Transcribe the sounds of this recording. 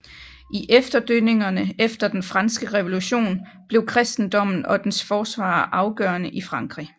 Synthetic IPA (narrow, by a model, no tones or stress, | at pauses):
ʔiʔefd̥ɐd̥øne̝ŋɐnəefd̥ɐd̥enfʁɑ̈nsɡ̥əʁɛʋo̝luɕo̝̰ːnb̥le̝ʊkʰʁɛsd̥n̩d̥ɒ̽m̰n̩ɒ̽d̥ensfɒːsʋɑ̰̈ːʔɑ̈ʊɡ̥œːɐnəʔifʁɑ̈ŋɡ̥ʁi